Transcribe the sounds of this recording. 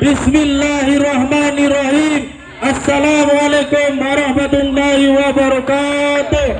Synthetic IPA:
bɪsmɪlːaːɦirːɐɦmaːnɪrːɐhiːm | ɐsːɐlaːmɐleːkumːɐɾɐhmɐt̪ʊlːaːɦiwɐbɐɾɐkaːt̪

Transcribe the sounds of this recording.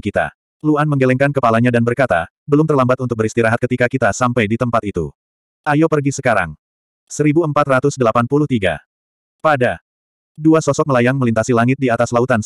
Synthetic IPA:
kit̪a̰ | luanməŋɡelɛŋkankəpalaɲadanbərkat̪a̰ | bəlʊmt̪ərlambat̪unt̪ʊk̚bəɾist̪iɾaɦat̪̚kət̪ikakit̪asampajdit̪əmpat̪it̪ṵ | ʔajopərɡisəkaɾa̰ŋ | səɾibuəmpat̪rat̪ʊsdəlapanpuluht̪iɡa̰ | pada | duasɔsɔk̚məlajaŋməlint̪asilaŋɪt̪̚diat̪aslaut̪an

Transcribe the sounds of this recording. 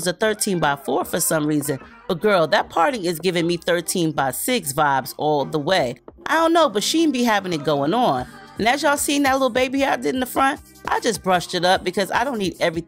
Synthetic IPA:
zɨθɜ˞tʰĩnbaɪfɔɹfə˞sʌ̃mɹizɨ̃n̥ | ət̚ɡ̥ɜ˞lˠðɨt̚pʰɑɹɾɪ̃ŋɨzɡɪvɪ̃ŋmiθɜ˞tʰĩnbaɪsɪksvaɪbz̥ɔlˠðəweɪaɪɾõʊ̃nːoʊbʌtʃikɨ̃nbiɦævɪ̃ŋɨt̚ɡ̥oʊɪ̃ŋə̃nɨ̃nɨzjaɪsiɪ̃ŋðɨtˡlɪɾl̩ˠbeɪbihɑdɪɾn̩ðəfɹʌ̃nt̚ | ʔa̰ɪd͡ʒʌsb̥ɹʌʃtɨɾʌp̚b̥ɨkʰʌza̰ɪɾõʊ̃nːiɾɛvɹi

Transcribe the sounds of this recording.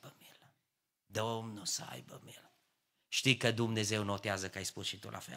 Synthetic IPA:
bəmil | d̪omnusəa̰jbə̰mil | ʃt̪ikəd̪umnezewnot̪eazəkəajspusʃit̪ṵlʔa̰fḛl

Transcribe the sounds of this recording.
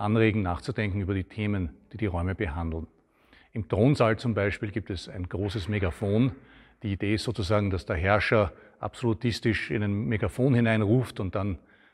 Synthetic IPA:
ʔanʁeːɡŋ̩naːχt͡sud̥ɛŋkŋ̩yːbɐɾiːtʰeːmənd̥iːdiːʁɔʏməbəɦãndl̩n | ɪmtʁoːnzalt͡sʊmbaɪʃpiːlɡiːp̚tɛsæɪnɡʁoːsəsmeɡafoːn | d̥iːid̥eːɪstz̥oːt͡suzaːɡŋ̩d̥asd̥eːɐɦɛɐʃɐ | ʔa̰psolutʰɪstɪʃɪnæɪnmeɡafoːnhɪnaɪnʁuːftʊnt̚d̥an

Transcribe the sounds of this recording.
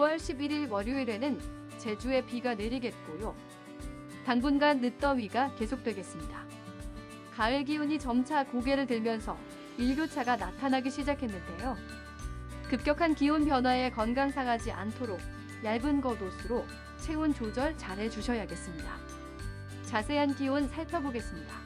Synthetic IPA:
uwʌɭɕʰibiɾiɭwʌɾjuiɾe̞nɯn | t͡ɕe̞d͡ʑue̞piɡaneɾiɡe̞t̚k͈ojo | taŋbunɡanːɯt͈ʌɥiɡake̞sʰok̚t͈we̞ɡe̞s͈ɯmɲida | kaɯɭɡiuɲit͡ɕʌmt͡ɕʰakoɡe̞ɾɯɭtɯɭmjʌnsʰʌ̰ | iɭɡjot͡ɕʰaɡanatʰanaɡiɕʰid͡ʑakʰe̞nːɯnde̞jo | kɯp̚k͈jʌkʰankiunpjʌnɦwae̞kʌnɡaŋsʰaɡad͡ʑiʔa̰ntʰoɾok̚ | jaɭbɯnɡʌdosʰɯɾo | t͡ɕʰe̞unt͡ɕod͡ʑʌɭt͡ɕaɾɦe̞t͡ɕuɕʰʌjaɡe̞s͈ɯmɲida | t͡ɕasʰe̞ɦankiunsʰaɭpʰjʌboɡe̞s͈ɯmɲida

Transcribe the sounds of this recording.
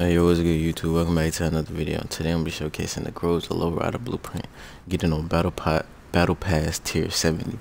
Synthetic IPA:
ajəɔlˠwizɨɡʊɾɨjʉtʰubwɛlˠkʌ̃mbæɡɛtʰɨə̃nʌðə˞vɪɾḭo̰ʊə̰̃ntʰɨdeɪə̃nbiʃoʊkʰeɪsɨ̃n̩ɨ̰ɡ̥ɹoʊzə̰lo̰ʊɹa̰ɾəblṵpʰɹ̥ɪ̰̃nt | ɡ̥ɛɾɪ̃nəbæɾl̩ˠpʰɑ | b̥æɾl̩ˠpʰæstʰɪɹsɛvɨ̃ndi

